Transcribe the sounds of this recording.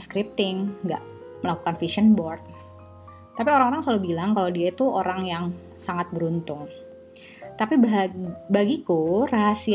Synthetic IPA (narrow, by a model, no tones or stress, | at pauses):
skɾip̚t̪ɪŋːɡa̰ʔ | məlaku̥kanfiʃənbɔrt̪̚ | t̪apioɾaŋoɾaŋsaluhbilaŋkalodiait̪uoɾaŋjaŋ | saŋat̪̚bəɾunt̪ʊŋ | t̪apibbaɡikuraɦasi